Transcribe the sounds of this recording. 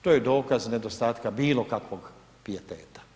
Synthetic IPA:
t̪oːjed̪o̞ːkazne̞d̪ost̪aːt̪kabiːlˠo̞kakʋoɡ | piet̪eːt̪ḁ

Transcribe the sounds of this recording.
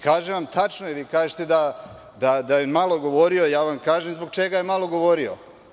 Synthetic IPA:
kaːʒeʋamt̪ʰat͡ʃnojeʋiːkaːʒet̪e̞d̪a | d̪ad̪ajomalˠo̞ɡo̞ʋoɾiojaːʋamkaːʒemzbo̞ɡ̚t͡ʃeɡajemalˠo̞ɡo̞ʋoɾio̰

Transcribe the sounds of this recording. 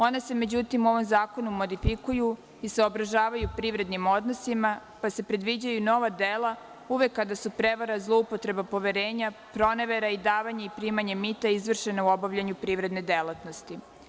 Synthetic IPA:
o̞nese̞me̞d͡ʑut̪imuo̞ʋo̞mzaːko̞numo̞d̪ifikuju | iseobɾaʒaːʋajupɾiːʋɾe̞d̪nimo̞d̪no̞sima | pase̞pɾe̞d̪ʋid͡ʑajuno̞ʋad̪ela | uʋe̞kːad̪asupɾe̞ʋaɾazlˠo̞upo̞t̪ɾe̞bapo̞ʋe̞ɾeːɲapɾo̞neʋeɾaid̪aːʋaɲeipɾiːmaɲe̞mit̪aizʋr̩ʃe̞nauo̞baʋʎaɲupɾiːʋɾe̞d̪ne̞d̪elat̪no̞st̪i

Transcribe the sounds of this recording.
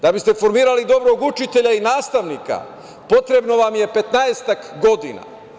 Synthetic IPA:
d̪abist̪e̞fo̞ɾmiːɾalid̪o̞bɾoɡut͡ʃit̪e̞ʎainaːst̪aʋnika̰ | po̞t̪ɾe̞bno̞ʋamje̞pe̞t̪naest̪akɡo̞d̪ina̰

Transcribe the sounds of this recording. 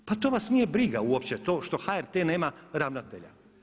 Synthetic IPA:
pat̪oʋasnije̞bɾiɡauopt͡ɕet̪oːʃt̪o̞xaeɾt̪eneːmaɾaʋnat̪ḛʎa̰

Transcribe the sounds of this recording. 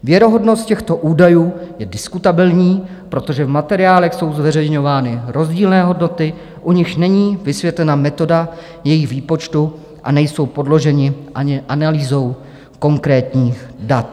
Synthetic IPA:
vjɛɾo̞ɦo̞dno̞st̪̚cɛxt̪o̞ʔuːdajuːjɛdɪskut̪abɪlɲiː | pɾo̞t̪o̞ʒɛvmat̪ɛɾɪaːlɛxso̞wzvɛrɛjɲo̞vaːnɪɾo̞zɟiːlnɛːɦo̞dno̞t̪ɪ | ʔuɲɪʃnɛɲiːvɪsvjɛt̪lɛnamɛt̪o̞da | jɛjɪɣviːpo̞t͡ʃt̪u | ʔa̰nɛjso̞wpo̞dlo̞ʒɛɲɪʔaɲɪʔanaliːzo̞w | ko̞ŋkɾɛːt̪ɲiːxdat̪

